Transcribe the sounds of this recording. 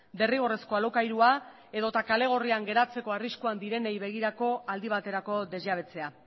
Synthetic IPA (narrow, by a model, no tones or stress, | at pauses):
b̪e̞riɣ̞o̞re̞sko̞alo̞kajɾua | e̞ðo̞t̪akale̞ɣ̞o̞riaŋɡe̞ɾat͡se̞ko̞ariskuand̪iɾe̞nejβe̞ɣ̞iɾako̞ald̪iβ̞at̪e̞ɾako̞d̪e̞zʝaβ̞e̞t͡se̞a